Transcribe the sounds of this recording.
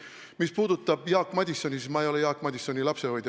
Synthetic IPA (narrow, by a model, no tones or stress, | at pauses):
mispuːd̪ut̪ːˑɑb̥jɑːkːmɑd̪ʲisːo̞nʲismɑejo̞lejɑːkːˑmɑd̪ʲiso̞nʲilɑpse̞ho̞jd̪